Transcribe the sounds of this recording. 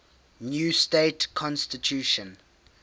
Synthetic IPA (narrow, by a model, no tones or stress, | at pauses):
njuːstetkʰɔ̃nstitʰjuːʃə̃n